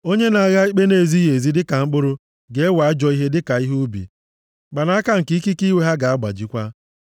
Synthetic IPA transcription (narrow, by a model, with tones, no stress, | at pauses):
o˦ɲe˦na˨a˨ɣa˦i˦k͡pe˦ne˨zi˦je˨zi˦dɪ˦ka˨ŋ͡m̩˦k͡pʊ˦ɾʊ˦ | ɡe˦wa˨a˦d͡ʒɔ˦i˦ɦe˦dɪ˦ka˨i˦ɦu˦bḭ˨ | ɡ͡ba˨na˦ka˦ŋ̩˨ki˦ki˦ki˦we˦ɦa˦ɡa˨a˦ɡ͡ba̰˨d͡ʒi˨kʷa˦